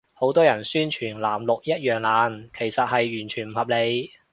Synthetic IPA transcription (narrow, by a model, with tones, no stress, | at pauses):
ho˨˥wt̪ɔː˥jɐ˨˩nsyː˥nt͡ʃʰyː˨˩nlaː˨˩mlʊ˨k̚jɐ˥t̚jœː˨ŋlaː˨˧˥nkʰe˨˩jsɐ˨t̚ɦɐ˨jːyː˨˩nt͡ʃʰyː˨˩nm̩˨˩hɐ˨p̚le˨˧j